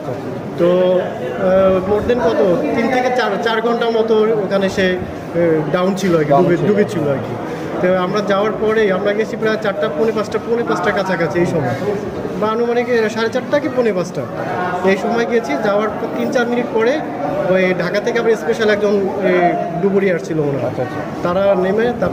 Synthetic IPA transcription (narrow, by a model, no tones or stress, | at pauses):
t̪o | moʈd̪inɡɔt̪ot̪int̪ʰeket͡ɕaɾt͡ɕaɾɡʱɔɳʈamɔt̪ookʰaneʃe | ɖawnt͡ɕʰiloɛkiɖuedubet͡ɕʰiloɛki | t̪oamɾad͡ʑaoaɾpɔɾejamɾaɡeet͡ɕʰipɾaet͡ɕaʈːaponepasʈaponepasʈaɾkat͡ɕʰakat͡ɕʰiejʃɔmɔe | baanumanekeʃaɾet͡ɕaʈːakeponepasʈaejʃɔmɔeɡiet͡ɕʰid͡ʑaoaɾpɔt̪int͡ɕaɾminiʈ̚pɔɾe | oɖʱakat̪ʰekeamaɾespeʃalɛk̚d͡ʑon | ɖuboɾiaʃt͡ɕʰilomona | t̪aɾanemet̪a